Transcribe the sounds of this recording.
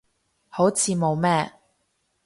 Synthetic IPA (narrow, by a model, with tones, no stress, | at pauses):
ho˨˥wt͡sʰiː˨˧mo˨˧wmɛː˥